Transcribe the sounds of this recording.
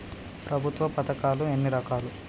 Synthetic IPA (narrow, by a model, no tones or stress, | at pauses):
pɾɐbʱut̪ʋɐpɐt̪ɐkaːluenːiɾɐkaːlu